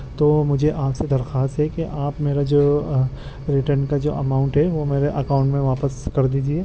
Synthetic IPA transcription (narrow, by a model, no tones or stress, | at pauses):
t̪oːmʊd͡ʒʱeʔaːpsed̪ɐɾxaːst̪ɦɛkeʔaːpmeːɾad͡ʒoː | ɾɪʈəɾnkad͡ʒo̰ːʔɐmaːʊ̃ɳʈɦɛʋomeːɾeʔɐkaːʊ̃ɳʈmẽʋaːpəskɐɾd̪iːd͡ʒieː